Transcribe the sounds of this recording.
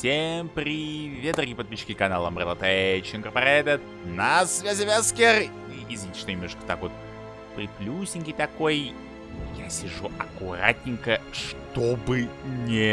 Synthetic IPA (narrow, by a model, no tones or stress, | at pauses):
sʲempɾʲɪvʲed̪ɾɡʲijpət̪̚pʲiɕːɪ̥kʲɪkɐnalˠəmrʲɛlˠət̪ɛt͡ɕɪnkərpɐɾɛd̪ʲət̪ | nɐsvʲæzʲɪvʲeskʲer | ijɪzʲvʲnʲit̪ʲɪ̥ʂt̪onʲɪmnoʂkə̥t̪akvot̪̚ | pɾʲɪplʲusʲɪnʲkʲijt̪ɐko̞j | jasʲɪʐuʔɐkʊɾa̰tʲnʲɪŋkəʂt̪obɨnʲɪ